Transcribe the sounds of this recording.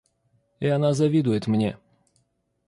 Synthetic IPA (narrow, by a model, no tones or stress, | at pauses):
iɐnazɐvʲid̪ʊjɪt̪mnʲḛ